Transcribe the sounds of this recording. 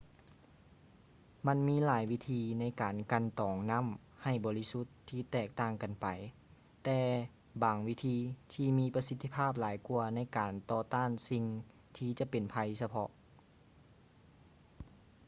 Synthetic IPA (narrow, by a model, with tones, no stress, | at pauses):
ma˧˥˨nmiː˧˥˨laː˨˦jwi˧˥t̪ʰiː˧na˧˥˩jkaː˨˩nka˧˥nt̪ɔː˨˩ŋna˧˥˨m | ha˧˩jbɔː˨˦li˦˥su˧˥t̪ʰːiː˧˩t̪ɛː˧˩k̚t̪aː˧˩ŋka˨npa˨j | t̪ɛː˧ | baː˨˩ŋwi˦˧˥t̪ʰiː˧t̪ʰiː˧˩miː˧˥pa˧si˧˥t̪ʰːi˧pʰaː˥˩p̚laː˨˦jkuː˧ɐna˧˥˨jkaː˨nt̪ɔː˧t̪aː˥˨nsi˧ŋ | t̪ʰiː˧˩t͡ɕa˧˦pe˨npʰa˧jsa˧pʰɔ˧ʔ